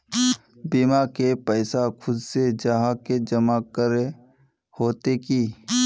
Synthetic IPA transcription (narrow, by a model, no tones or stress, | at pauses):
bimakepəɪsakʰʊd̪sed͡ʒəɦaked͡ʒəmakəɾe | hoːt̪ekiː